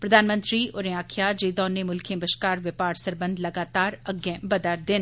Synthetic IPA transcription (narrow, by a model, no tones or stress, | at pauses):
pɾəd̪aːnmə̃nt̪ɾiːʊɾẽaːkʰjaːd͡ʒeːd̪ɔːneːmʊlkʰẽːbəʃkaːɾʋɪpaːɾsəɾbə̃nd̪ləɡaːt̪aːɾəɡjẽbəd̪əɾd̪ɪn